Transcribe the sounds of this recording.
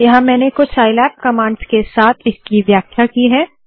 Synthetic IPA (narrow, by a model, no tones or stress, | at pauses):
jɐɦãmɛ̃ːnekʊt͡ʃʰaːɪlɛːp̚kɐmãːɳɖskesaːt̪ʰɪskiʋjaːkʰjakiɦɛː